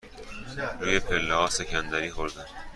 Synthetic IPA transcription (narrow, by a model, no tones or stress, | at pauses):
ɾuːje̞pʰe̞lːehɒːse̞cʰænd̪æɾiːxoɾd̪æn